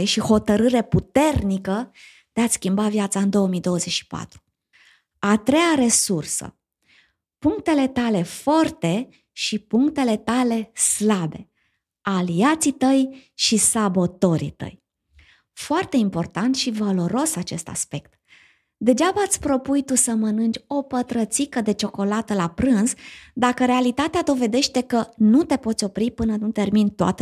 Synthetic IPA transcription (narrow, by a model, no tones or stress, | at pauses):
eʃiho̞t̪əɾɨɾe̞put̪e̞rnikə | d̪̥eat̪skʲimbavjat̪saɨnd̪o̞wəmijd̪o̞wəze̞t͡ʃʃi̥pa̰t̪ɾu̥ | at̪ɾe̞jaɾe̞sursə̰ | puŋkt̪e̞le̞t̪ale̞fort̪e̞ | ʃipuŋkt̪e̞le̞t̪ale̞slabe̞ | aliat̪sit̪əjʃisabo̞t̪o̞ɾḭt̪ə̰j | foart̪e̞impo̞rt̪ant̪ʃivalo̞ɾo̞sat͡ʃe̞st̪a̰spe̞kt̪ | d̪e̞d͡ʒabəat̪sʲpɾo̞pujt̪usəmənɨnd͡ʒʲo̞pət̪ɾət̪sikəd̪e̞t͡ʃo̞ko̞lat̪əlapɾɨnzd̪akəɾe̞alit̪at̪ead̪o̞ve̞d̪e̞ʃt̪e̞kənut̪e̞po̞t̪sʲo̞pɾipɨnənut̪e̞rmint̪oa̰t̪ə